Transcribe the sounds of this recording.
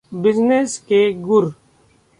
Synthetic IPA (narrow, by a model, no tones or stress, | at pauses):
bɪzneskeːɡʊɾ